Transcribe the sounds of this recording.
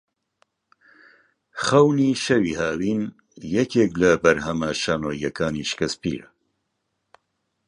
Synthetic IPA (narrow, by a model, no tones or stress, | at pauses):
χɐwniːʃɐwiːhaːwiːn | jɛkʰeːklɐbɐɾhɐmɐʃaːnoːjɐkʰaːniʃkɐspḭːɾɐ̰